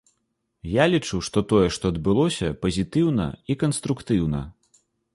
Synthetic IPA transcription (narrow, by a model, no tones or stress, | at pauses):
jalʲit͡ʂuʂt̪ɔt̪ɔjɛʂt̪ɔɐd̪̚bɨlˠɔsʲɐpɐzʲit̪ɨwnɐ̰ikɐnst̪ɾukt̪ɨwnɐ̰